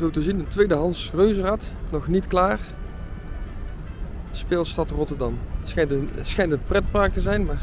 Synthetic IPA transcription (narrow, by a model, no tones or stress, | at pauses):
zowtəzindətʋejdəɦɑnsrøɥzərat | nɔxnitklaːr | spɪːlˠstɑtrɔtəɹdɑmsxɛjntənsxɛjntənprɛt̚paːk̚təzɛjnmaːɹ